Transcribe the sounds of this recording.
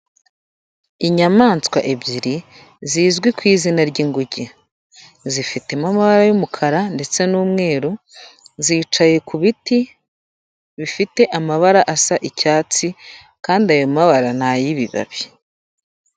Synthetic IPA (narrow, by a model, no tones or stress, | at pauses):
iɲamaːnt͡skwa̰ʔebɟiɾi | ziːzɡwikwiːzinaɾɟiŋɡuɟe | zifite̞mamaβaɾajumukʰaɾande̞t͡se̞nuːmŋe̞ːɾo | ziːt͡ʃaje̞kuβiti | βifite̞ʔamaβaɾaʔasaʔicaːt͡si | kaːndiajomaβaɾan̥ajiβiβa̰βi